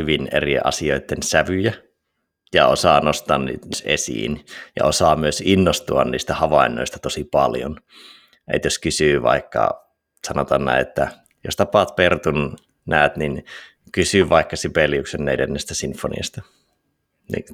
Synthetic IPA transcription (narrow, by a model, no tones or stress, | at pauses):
yʋinḛriʔɑ̰sioit̪ːensæʋyjæ | jɑosɑːnost̪ˑɑːnnḭːt̪sʔḛsḭːnjɑ̰osɑːmyøsinːost̪uɑnniːst̪æhɑʋɑˑinːˑo̰ˑist̪ɑ̥t̪osipɑljo̰n | ʔḛt̪joskysyːʋɑ̰ikːɑ̰ | sɑnot̪ɑnnæ̰ˑiet̪ːæ | jost̪ɑpɑt̪pert̪un | næˑøt̪nin | kysyʋɑˑikːɑsipeliuksenːelenːest̪æsinfonḭɑst̪ɑ | nḭ